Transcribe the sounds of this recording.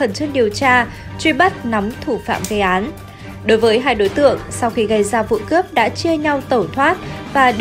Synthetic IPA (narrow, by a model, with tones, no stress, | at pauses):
ə˧˩nt͡ɕə˧nɗi˨˩əwt͡ɕaː˧ | t͡ɕwi˧ɓa˦˥t̚na˨˦mt̪ʰu˧˩fa̰ː˧˨mve˨˧˦ʔaː˨˦n | ɗo˨˦jvəː˨˦jɦaː˧jɗo̰˧˥jt̪ɨ̰˧˨əŋsa˧wxi˧˩ɣa˧˩jzaː˧vṵ˧˨kəː˦˥p̚ɗa̰ː˧˥t͡ɕi˧əɲa˧wt̪ə˧˩t̪ʰwaː˦˥t̚vaː˨˩ɗ